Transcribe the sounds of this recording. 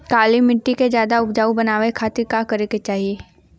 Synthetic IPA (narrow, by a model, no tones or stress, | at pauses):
kaːlimɪʈːiked͡ʒjaːd̪aʊpd͡ʒaːubɐnaːʋekʰaːt̪ɪɾkaːkɐɾeket͡ʃaːɦie